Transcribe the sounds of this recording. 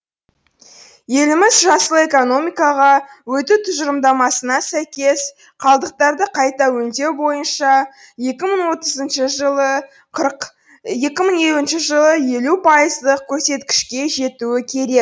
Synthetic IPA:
je̞lɪmɪzʒɑsəlˠəe̞ko̞no̞mijkɑʁɑwɵt̪ɪt̪ʰʊʒəɾəmd̪ɑmɑsənɑsæjkʲe̞s | qʰɑlˠd̪əq̚t̪ɑɾd̪əqʰɑjt̪ɑwɵnd̪ewbo̞jənʃɑ | je̞kʲɪməɴwo̞t̪əzənʃəʒəə | je̞kʲɪməɴje̞luɪnʃɪʒəlˠəje̞lupʰɑjəzd̪əq̚kʲʰɵɾse̞t̪kʲɪ̥ʃkʲe̞ʒe̞t̪uɪkʲʰe̞ɾe̞k̚

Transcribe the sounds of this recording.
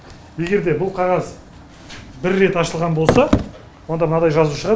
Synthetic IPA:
je̞ɡʲe̞ɾd̪e̞bʊlˠqʰɑʁɑz | bɪɾːe̞t̪ɑʃəlˠʁɑnbo̞lˠsɑ | wo̞nd̪ɑmənɑd̪ɑjʒɑzuʃəʁɑ

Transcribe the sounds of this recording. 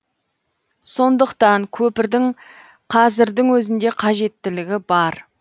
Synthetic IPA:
so̞nd̪əqt̪ɑŋkʲʰɵpɪɾd̪ɪŋ | qʰɑzɪɾd̪ɪŋwɵzɪnd̪e̞qʰɑʒe̞t̪ːɪlɪɡʲɪbɑɾ

